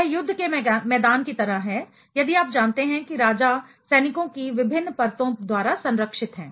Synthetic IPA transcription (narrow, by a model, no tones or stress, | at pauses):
jɛɦjʊd̪ʱːkemɛːd̪aːnkit̪ɐɾəɦɦɛ̃ | jɐd̪iaːp̚d͡ʒaːnt̪eɦɛ̃kiɾaːd͡ʒa | sɛːnɪkõkiʋɪbʱɪnːpɐɾt̪õd̪waːɾasɐ̃nɾəkʃɪt̪ɦɛ̃ː